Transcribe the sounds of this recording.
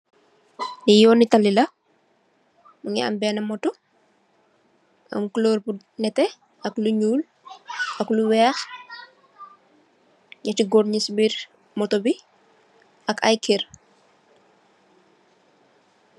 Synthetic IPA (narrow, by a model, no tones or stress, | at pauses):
nijɔːnitɐlilɐ | muŋɛɐ̰mbɛnɐmɔtɔ | ʔɐ̰mkuloːɾbu | nɛtɛ | ʔɐkluɲuːl | ʔɐkluwɛːx | ɲɐtiɡɔɾɲisbiɾ | mɔtɔbi | ʔɐkɐjkir